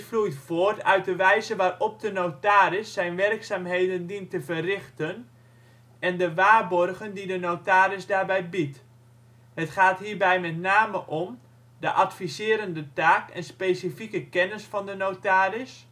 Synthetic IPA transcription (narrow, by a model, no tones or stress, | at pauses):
flujtfoətœɥt̚dəʋɛjzəʋaːrɔp̚dənotaːɾɪsːɛjnʋɛrksaːmɦejdəndintəvərɪxtən | ɛndəʋaːrbɔrɣəndidənowtaːɾɪsdaːrbɛjbit | hətχaːtɦiːɹbɛjmɛtnaːməʔɔm | dəʔatfizɪːɾəndətaːkɛ̰nspeːsifikəkɛnəsfɑndənowtaːɾɪs